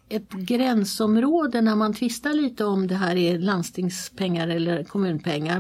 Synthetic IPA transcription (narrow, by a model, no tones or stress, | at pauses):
ɛt̪ɡɾɛnsɔmɾoːd̪ənæɾmant̪ʰvɪst̪aɭiːt̪əɔmd̪ɛɦæːɾɛland̪st̪ʰɪŋspʰɛŋːaɾɛlːəɾkʰɔmʉ̟ːnpʰɛŋːaɾ